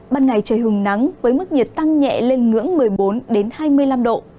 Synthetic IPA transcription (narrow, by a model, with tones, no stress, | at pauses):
ɓaː˧nŋa˨˩jt͡ɕəː˨˩jɦɨ˨˩ŋna˨˦ŋvəː˨˦jmɨ˦˥k̚ɲi˨˩t̚t̪a˧ŋɲɛ̰˧˨le˧nŋɨ̰˧˥əŋmɨ˨˩əjɓo˨˦nɗe˨˦nhaː˧jmɨ˧əjla˧mɗo̰˧˨